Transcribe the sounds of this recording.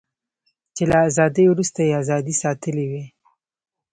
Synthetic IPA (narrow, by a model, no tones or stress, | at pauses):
t͡ʃelaːzɑd̪əjwɾust̪ajeazɑd̪isɑt̪əliwi